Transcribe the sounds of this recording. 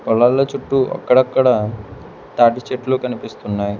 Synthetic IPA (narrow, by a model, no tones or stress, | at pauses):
pɔlːaːlːɐt͡ʃuʈːuɐ̰kːɐɽɐkːɐɽɐ | t̪aːʈit͡ʃeʈluːkɐnipist̪unːaːji